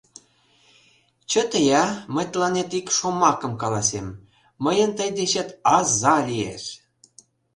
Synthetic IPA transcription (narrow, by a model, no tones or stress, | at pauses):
t͡ɕə̆t̪əjɑmə̆jt̪lɑnet̪ikʃomɑkə̆mkɑlɑsemː | əjənt̪əjd̪eɕĕt̪ɑzɑlʲiḛʃ